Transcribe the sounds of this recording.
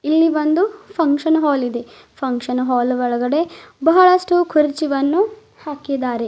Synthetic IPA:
ilːiʋond̪upʰɐŋkʃɐnɦaːlid̪e | pʰɐŋkʂɐnɦaːlʋɔɭɐɡɐɽe̞bɐɦɐɭɐʂʈukʰuɾit͡ʃiʋɐnːu | haːkid̪aːɾe

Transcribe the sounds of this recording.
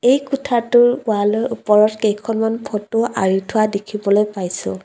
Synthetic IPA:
ejkutʰatʊɹʊalɔjʔupɔɹɔtkejkʰɔnmanpʰɔtʊʔaɹitʰʊwadekʰibɔlojpajsʊ̰̃

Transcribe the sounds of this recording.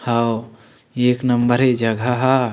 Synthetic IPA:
hao | eːknɐmbəɾɦed͡ʒɐɡʱaɦa

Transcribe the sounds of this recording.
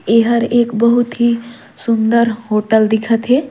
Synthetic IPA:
eɦəɾekbəɦut̪ɦi | sund̪əɾɦoʈəld̪ikʰət̪ɦe

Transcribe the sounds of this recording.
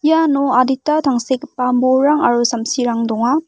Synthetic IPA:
janoaditːatʰaŋsekpamboɾaŋa̰ɾosɐmsiɾaŋdɔŋa

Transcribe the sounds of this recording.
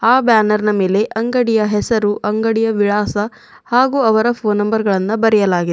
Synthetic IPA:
aːbjaːnɐɾnɐme̞ːle̞ʔɐŋɡɐɽijɐɦɛsɐɾuʔɐŋɡɐɽijɐʋiɭaːsɐ | haːɡuːɐʋɐɾɐpʰoːnːɐmbɐɾɡɐɭɐnːubɐɾɛjɐlaːɡid̪

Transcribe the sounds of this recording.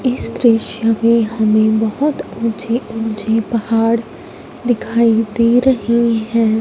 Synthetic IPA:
ɪsd̪ɾɪʃjəmẽɦɐmẽbɐɦʊt̪ũːt͡ʃeũːt͡ʃepɐhaːɽ | d̪ɪkʰaːid̪iɾɐɦiɦɛ̃ː

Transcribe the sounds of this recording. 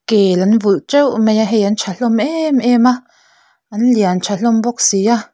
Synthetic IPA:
keːlanvult͡ʃewmẽjaɦejant͡ʃʰaɬomʔemʔeːmã | anljant͡ʃʰaɬomboksija

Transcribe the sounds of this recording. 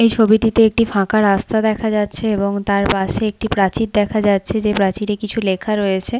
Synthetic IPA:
ejt͡ɕʰobiʈit̪eek̚ʈifãkaɾast̪ad̪ɛkʰad͡ʑatːɕʰeeboŋt̪aɾpaʃeek̚ʈipɾat͡ɕit̪̚d̪ɛkʰad͡ʑatːɕʰed͡ʑepɾat͡ɕiɾekit͡ɕʰulekʰaɾojet͡ɕʰe

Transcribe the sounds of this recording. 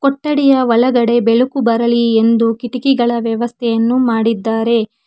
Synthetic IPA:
koʈːɐɽijɐʋɐlɐɡɐɽe̞beɭukubɐɾɐlie̞nd̪ukiʈikiɡɐɭɐʋjɐʋɐst̪ʰɛjɐnːumaːɽid̪ːaːɾe̞

